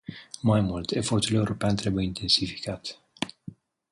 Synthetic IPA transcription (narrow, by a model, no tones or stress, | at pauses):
majmult̪e̞fo̞rt̪ule̞uɾo̞peant̪ɾe̞bujint̪ʰe̞nsifi̥kat̪